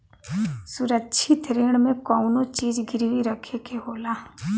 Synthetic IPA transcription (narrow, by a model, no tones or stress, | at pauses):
sʊɾətːʃʰit̪ʰɾeːɽ̃mẽkɔːʊnot͡ʃiːzɡɪɾʋiɾəkʰekeɦoːlaː